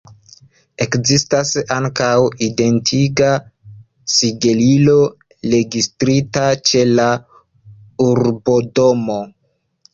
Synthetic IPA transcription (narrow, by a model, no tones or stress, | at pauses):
ekzistasaŋkawide̞ntʰiɡa | siɡelilo̞ | le̞ɡistɾitat͡ʃe̞la | uɾbo̞do̞mo